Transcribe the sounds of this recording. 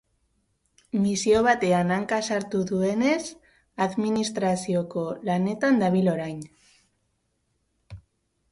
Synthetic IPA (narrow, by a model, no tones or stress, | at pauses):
misio̞β̞at̪e̞anaŋkasaɾt̪uðue̞ne̞s | aðminist̪ɾasio̞ko̞lane̞t̪and̪aβilo̞ɾajn